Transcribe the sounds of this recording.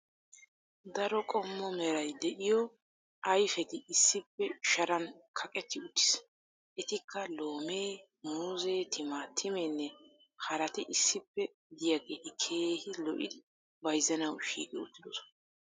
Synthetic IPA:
d̪ɐɾɔkʼɔmːɔmɛɾɐjd̪ɛʔɪjɔ | ʔɐjfɛt̪ɪɪsːɪpːɛʃɐɾɐnkʰɐkʼɛt̪ːɪʊt̪ːɪ̥s | ʔɛt̪ɪkʰːɐlo̞ːmeː | muːzeːt̪ʰɪmaːt̪ʰːɪmɛnːɛ | hɐɾɐt̪ɪʔɪsːɪpːɛ | d̪ɪjaɡeːt̪ɪkʰe̞ːhɪlɔʔɪ̰d̪ɪ | bɐjzɛnɐwʃḭːɡɪʊt̪ːɪd̪ɔsɔ̥nɐ

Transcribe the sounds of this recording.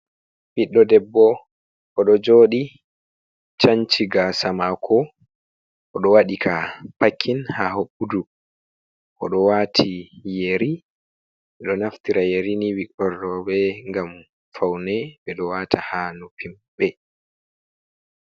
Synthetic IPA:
biɗːɔdɛbːɔ | ʔɔɗɔd͡ʒoːɗi | t͡ʃaɲt͡ʃiɡasamakʰɔ | ʔɔɗɔwaɗikʰapakʰːinhaɦoɓːudu | ʔɔɗɔwatʰijeɾi | ɓɛɗɔnaftiɾajeɾiniwikɔrɔbɛŋɡam | fawnɛɓɛɗɔwatʰahaːnɔpʰim | bɛ

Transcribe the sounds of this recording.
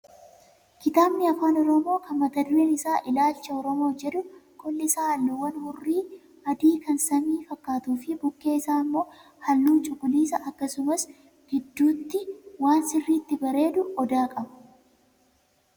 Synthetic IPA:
ɡɪt̪aːbnɪɐfaːnɔɾɔmo̞ːkɐmːɐt̪ɐd̪ɾeːnɪsaːʔɪlaːlt͡ʃɐɔɾɔmo̞ːd͡ʒɛᶑʊkʰʼɔlːɪsaːhɐlːʊwɐnhʊrːiː | ɐd̪iːkɐnsɐniːfɐkːaːt̪uːfɪbʊkːe̞ːɪsaːmːo̞ː | hɐlːuːnt͡ʃʼʊkʼʊliːsɐʔɐkːɐsʊmɐs | ɡ̥ɪd̪ːuːt̪ːɪwaːnsɪrːiːt̪ːɪbɐɾe̞ːd̪ʊɔd̪aːkʼɐbɐ̥

